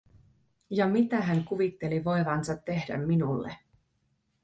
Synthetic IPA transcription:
jɑmit̪æɦæŋkuʋit̪ːe̞liʋo̞jʋɑnsɑt̪ːe̞hdæ̰mːinulːḛ

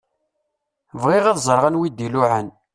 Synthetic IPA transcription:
vʁɪʁæðzˤəɾˤʁanwid̪ilʊʕən

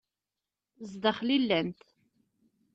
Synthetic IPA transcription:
zd̪əχlilːænt̪

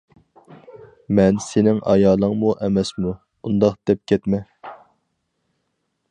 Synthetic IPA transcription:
mɛnsenɪŋɑ̰jɑːlˠəŋmuʔɛmɛsmu | und̪ɑχd̪̥ɛp̚kʲʰɛt̪mɛ

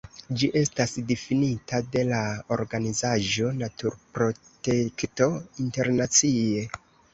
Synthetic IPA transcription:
d͡ʒiʔe̞stasdifinitade̞lao̰ɾɡanizaʒo̞natuɾpɾo̞te̞kto̞inte̞ɾnat͡sie̞

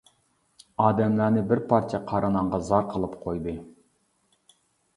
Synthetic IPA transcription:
ɑːd̪ɛmlæɾnɪbɪɾpʰɑɾt͡ʃʰɛqʰɑɾɨnɑɴʁɑzɑɾqʰəlˠɨpqʰojd̪ɨ

